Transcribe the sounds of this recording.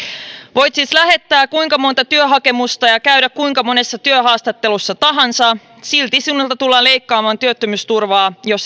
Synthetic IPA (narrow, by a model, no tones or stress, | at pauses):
ʋo̞jt̪sislæɦe̞t̪ːæːkuiŋkɑmo̞nt̪ɑt̪yøɦɑke̞must̪ɑjɑkæydækkuiŋkɑmo̞ne̞sːɑt̪yøɦɑːst̪ɑt̪ːe̞lusːɑt̪ɑɦɑnsɑ | silt̪isiunːelt̪ɑt̪ulːɑːnle̞jkːɑːmɑːnt̪yøt̪ːømyst̪urʋɑːjo̞s